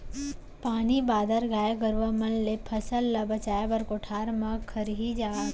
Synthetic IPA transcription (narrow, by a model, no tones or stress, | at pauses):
paːnibaːd̪ʱəɾɡʱaːjeɡəɾʋamɐnlepʰɐsəlːabɐt͡ʃaːjebɐɾkoʈʰaːɾmɐkʰːəɾɦid͡ʒaː